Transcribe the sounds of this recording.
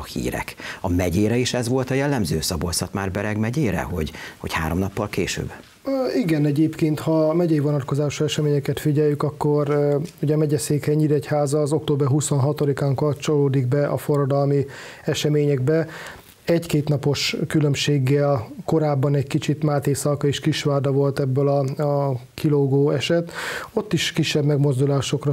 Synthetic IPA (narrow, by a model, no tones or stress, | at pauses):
hḭːɾɛ̰kɒmɛɟeːɾɛeːʃɛzʋo̞lt̪ɒjɛlːɛmzøːsɒbolsɒt̪maːrbɛɾɛɡmɛɟeːɾɛ̰ho̞̰ɟho̰cha̰ːɾomnɒpːɒlkeːʃø̰ːb | iɡɛnɛɟeːpkeːnt̪hɒmɛɟɛjivɒnɒt̪ko̞zaːʃuɛʃɛmeːɲɛkɛt̪fiɟɛjːykɒkːo̞ruɟɛmɛɟɛseːkhɛɲːiɾɛchaːzɒːzo̞k̚t̪oːbɛɦuso̞nɦɒt̪olikaːŋkɒt͡ʃo̞loːd̪iɡ̚bɛʔɒfo̞rːɒd̪ɒlmi | ɛʃɛmeːɲɛɡ̚bɛ | ɛckeːt̪nɒpo̞ʃkylø̞mʃeːɡːɛlko̞ɾaːbːɒnɛckit͡ʃit̪maːt̪eːsɒkɒeːʃkiʃʋaːd̪ɒvo̞lt̪ɛbːɛlɒɒkiloɡoːɛʃɛt̪o̞t̪ːiʃkiʃːɛbmɛɡmo̞zd̪ulaːʃo̞krɒ